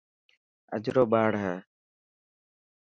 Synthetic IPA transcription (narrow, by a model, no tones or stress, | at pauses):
ə̰d͡ʒɾoːɓaːɽɦəː